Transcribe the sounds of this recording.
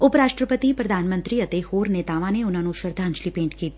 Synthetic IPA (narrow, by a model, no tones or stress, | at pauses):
ʊpɾaːʃʈɾəpət̪ipɾɐd̪ʱaːnmə̃nt̪ɾiɐt̪ehoːɾneːt̪aːʋãneʊnɦãːnoʃəɾd̪ʱaɐ̃ɲt͡ʃlipẽːɳʈkiː